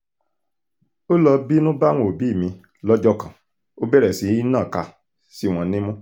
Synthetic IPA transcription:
o˦lɔ˧bi˦nũ˦ba˦w̃õ˨bi˨˦˨mĩ˧ | lɔ˦d͡ʒɔ˦kã˨ | o˦bɛ˦ɾɛ˨si˨˦i˦nãː˦˨ka˧ | si˦w̃ɔ̃˧nĩ˦mũ˦

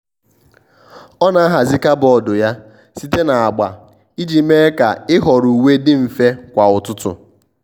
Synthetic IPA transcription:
ɔ˦na˨a˦ɦa˨zi˦ka˦bɔ˨dʊ˨ja˦ | si˦te˦na˨a˨ɡ͡ba̰˨ | i˦d͡ʒi˨me˦ka̰˨ɪ˦ɦɔ˨ɾu˨we˦dɪ˦m̩˨fe˦kʷa˨ʊ˨tʊ˦tʊ̰˨

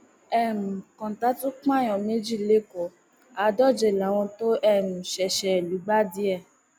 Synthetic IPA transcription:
ɛ˦˨mũ˨kã˨ta˨˦tũ˦k͡pã˦˨j̃ɔ̃˨me˦d͡ʒi˦˨le˦kɔ˨ | a˨˦dɔ˦˨d͡ʒe˧˨la˨˦w̃ɔ̃˧to˦ʔɛ˦˨mũ˨ʃɛ˨ʃɛ˨lu˨˦ɡ͡ba˦di˨˦ɛ˦˨

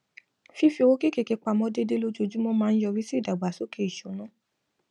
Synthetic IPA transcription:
fi˦fi˧o˦ki˦ke˧˨ke˧k͡pa˧˨mɔ̃˧˦de˦de˦lo˦d͡ʒo˧d͡ʒu˦mo˦mãː˧n̩˦jɔ˧ɾi˦si˦˨da˨ɡ͡ba˨so˨˦kʰe˧˨i˨ʃo˨˦nũ˨˦

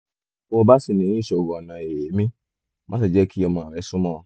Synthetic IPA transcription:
ɔ˧ba˦si˨nĩ˨˦˨ʃɛ˨o˨ɡɔ˨nã˨e˨e˨˦mĩ˦ | mã̰˦s̬i˨d͡ʒɛ˦ki˦ɔ˧mã˨ɛ˨˦su˦mɔ̃˦ɔ˨

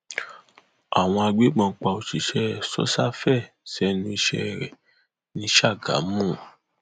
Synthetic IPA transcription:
a˨w̃ɔ̃˧a˧ɡ͡be˨˦ɡ͡bɔ̃˧˦k͡pa˧o˧ʃi˨ʃɛ˦˨sɔ̰˦sa˦fɛ˦˨ | sɛ˦nũ˧i˧ʃɛ̰˧˦˨ɾɛ̰˨ | nĩ˧˦ʃa˦˨ɡa̰˨˦mũ˦˨

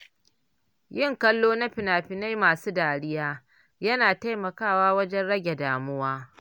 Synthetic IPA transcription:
jɪ˦˨ŋkɐ˦lːoː˦na˦ɸɪ˨naː˨ɸɪ˨na˦jmaː˨suː˦daː˨ɽɪ˦jaː˦ | jɐ˦naː˨ta˦jmɐ˨kaː˦˨waː˦wɐ˦d͡ʒɛ˦nɽɐ˦ɡʲe˨daː˨mʊ˦waː˦

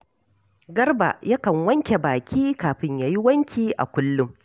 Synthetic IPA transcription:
ɡɐ˦rba̰˨ja˦kɐ˨ŋwɐ˦ŋkʲe˨baː˨kʲiː˦kaː˨ɸɪ˦ɲjaː˦ji˦wɐ˦ŋkʲʰiː˦ʔa̰˨kʷʊ˦lːʊ˦m

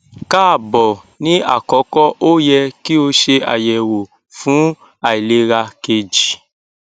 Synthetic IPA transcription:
ka˦a˦˨bɔ˨ | nĩ˦a̰˦˨kɔ˨˦kɔ˦ʔo˦jɛ˧ki˦o˧ʃe˧a̰˨jɛ˨wo˨ | fũ˨˦ | a˨i˨le˨˦ɾa˧ke˧d͡ʒi˨

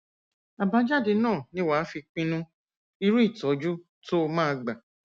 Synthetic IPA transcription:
a˨bã˨˦d͡ʒa˦de˧nãː˦˨nĩ˦wa˨˦fi˧k͡pĩ˧nũ˦ | i˧ɾu˦i˦˨tɔ˨˦d͡ʒu˦ | to˦o˧mãː˦˧ɡ͡ba˨

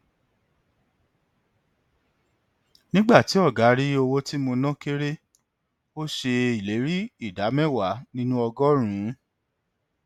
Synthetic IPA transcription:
nĩ˦ɡ͡ba˦˨ti˨˦ɔ˦˨ɡa˨˦ɾi˦o˧wo˦ti˦mo˧nã˦ke˦ɾe˦ | o˦ʃe˧i˨le˨˦ɾi˦i˦˨da˨˦mɛ̃˦˨wa˨˦nĩ˦nũ˦ɔ˧ɡɔ˦ɾ̃ũ˨˦

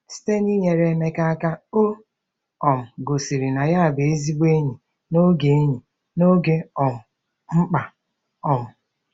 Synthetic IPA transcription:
si̥˦te˦ni˦ɲe˨ɾe˦me˦ka˦a˦ka˦o˦ | ɔ˨m̩˨ɡo˨si˨ɾi˨na˨ja˦a˨be˨e˦zi˦ɡ͡be˦ɲi˨ | no˦ɡe˨˦ɲi˨ | no˦ɡe˦ɔ˨mʊ˨ | ŋ͡m̩˦k͡pa˨ | ɔ˨mʊ˨

